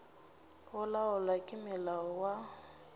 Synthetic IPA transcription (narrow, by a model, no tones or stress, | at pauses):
ʊlaʊlakʼɪmɪlaɔwa